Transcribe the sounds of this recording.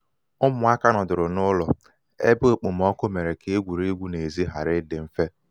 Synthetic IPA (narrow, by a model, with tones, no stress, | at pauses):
ʊ˦mʊ˨a˦ka˦nɔ˨dʊ˨ɾʊ˨nʊ˦lɔ˨ | ḛ˦be˦o˦˨k͡pʊ˨m̩˨ɔ˦kʊ˦me˨ɾe˨kʰe˦e˦ɡʷu˨ɾe˦ɡʷu˦ne˨zi˦ɦa˨ɾɪ˦dɪ˨m̩˦fe˦